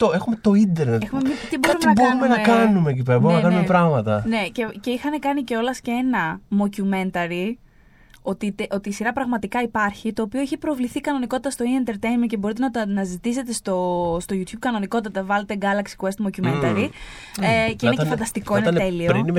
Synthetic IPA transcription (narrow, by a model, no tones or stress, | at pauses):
t̪oexumet̪o̞ind̪eɾexumemitt̪iboumeinɐboɾumenɐkɐnume̞c̬ip̬eɾɐbumenɐɐkɐnumepɾɐɣmɐt̪ɐne̞cece̞ixɐne̞kɐniceo̞lɐscee̞nɐmo̞cume̞nt̪ɐɾi | o̞t̪it̪eʔo̞t̪iːsiɾɐpɾɐɣmɐt̪ikɐipɐɾçit̪o̞ːpioeçipɾo̞vliθikɐno̞niko̞t̪i̥t̪ɐst̪o̞iɐnt̪eɾt̪ejmice̞bo̞ɾit̪̬enɐnɐzit̪ise̞t̪e̞st̪o̞st̪o̞ʝut̪ʰçub̚kɐno̞niko̞t̪it̪ɐvɐlet̪e̞ɡɐlɐksi̥kuest̪mo̞cume̞nt̪ɐɾi | ceineefɐnd̪ɐst̪iko̞inet̪e̞lioɾini